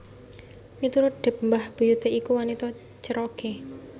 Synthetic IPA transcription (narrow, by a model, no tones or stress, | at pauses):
mit̪uɾʊt̪̚ɖ̪̥ɛ̤p̚mbahb̥ujud̪eikuwanit̪ɔ | t͡ʃəɾɔke